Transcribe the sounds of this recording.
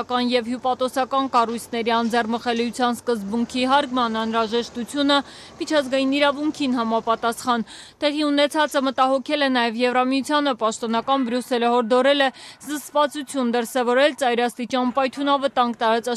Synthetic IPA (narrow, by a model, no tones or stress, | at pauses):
kɑnjɛvhjupɑt̪ɔsɑkɑnkɑrujt͡sʰnɛɾiɑnd͡zɛrməχɛlujut͡sʰjɑnskəzbuŋkʰiɦɑɾkmɑnɑnɾɑʒɛʃt̪ut͡sʰjunə | mit͡ʃʰɑzɡɑjiniɾɑvuŋkʰinɦɑmɑpɑt̪ɑsχɑn | t̪ɛʁiunɛt͡sʰɑt͡səmət̪ɑɦɔkʰɛlɛnɑjɛvjɛvrɑmiut͡sʰjɑnəpɑʃt̪ɔnɑkɑnbɾjusɛləhɔɾd̪ɔɾɛlɛzəst̪vɑt͡sut͡sʰjund̪əɾsɛvɔɾɛlt͡sɑjɾɑst̪it͡ʃɑnpɑjt̪ʰunɑvət̪ɑŋɡt̪ɑɾɑt͡sɑ